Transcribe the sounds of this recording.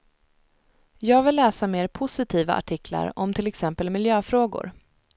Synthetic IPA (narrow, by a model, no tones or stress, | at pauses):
jɑːɡvɪlːɛːsameːɾpʰʊsɪt̪ʰiːva̰ʔa̰ʈʰɪkla̰ɾɔmt̪ʰɪlɛksɛmpəlmɪljøːfɾoːɡʊ̰ɾ